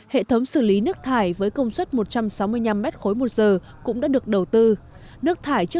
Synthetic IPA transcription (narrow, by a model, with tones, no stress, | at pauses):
hḛ˧˨t̪ʰə˨˦wŋ͡msɨ˧˩li˨˦nɨ˦˥ək̚t̪ʰaː˧˩jvəː˨˦jkə˧wŋ͡mswə˦˥t̚mo˨˩t̚t͡ɕa˧msa˨˦wmɨ˧əjɲa˧mːɛ˦˥t̚xo˨˦jmo˨˩t̚zəː˨˩ | kʊ̰˧˥ŋ͡mɗa̰ː˧˥ɗək̚ɗə˨˩wt̪ɨ˧ | nɨ˦˥ək̚t̪ʰaː˧˩jt͡ɕɨ˦˥ə